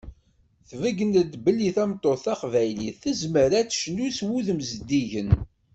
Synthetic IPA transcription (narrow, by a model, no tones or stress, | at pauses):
θvəɡənəd̪bəlːiθæmt̪ˤːoθɑqvæjliθəzməɾæt͡sʃənːuswuðəmzəd̪ːiʝən